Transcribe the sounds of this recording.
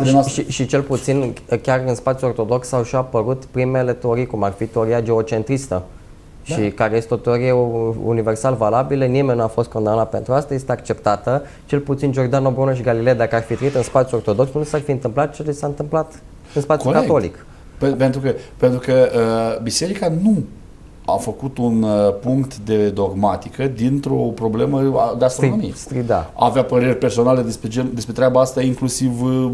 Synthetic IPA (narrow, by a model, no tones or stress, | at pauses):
ʃʃiʃit͡ʃe̞lput̪sinkʲarɨnspat̪sjuo̞rt̪od̪o̞ksawʃapəɾut̪pɾime̞le̞t̪eo̞ɾijkumarfit̪eo̞ɾijad͡ʒe̞ot͡ʃe̞nt̪ɾist̪ə | ʃikaɾeje̞st̪eo̞t̪eo̞ɾijeṵnive̞rsalvalabilənimenʲnuafo̞st̪̚ko̞nd̪anat̪̚pe̞nt̪ɾuast̪aje̞st̪e̞akt͡ʃe̞pt̪at̪ə | t͡ʃe̞lput̪sind͡ʒo̞rd͡ʒ̪d̪ano̞bɾonoʃ̬iɡalilejad̪akəarfit̪ɾeit̪ɨnspat̪sjuort̪o̞d̪o̞ksnusarfiɨnt̪ɨmplat̪̚t͡ʃelesaɨnt̪ɨmplat̪ | ɨnspat̪sjkao̞lḭk | ppent̪ɾukəpent̪ɾukəəbise̞ɾikanu | a̰fəkut̪unpuŋkt̪d̪e̞d̪o̞ɡmat̪ikəd̪int̪ɾo̞pɾo̞ble̞məa̰d̪east̪ɾonomijest̪id̪a̰a̰ːveapəɾe̞rʲpe̞rso̞nale̞d̪espɾed͡ʒend̪e̞spɾet̪ɾʲabaast̪aiŋklusiv